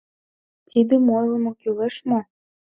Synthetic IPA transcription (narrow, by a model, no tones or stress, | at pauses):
t̪ʰid̪ə̆mojlˠə̆mokylĕʃmo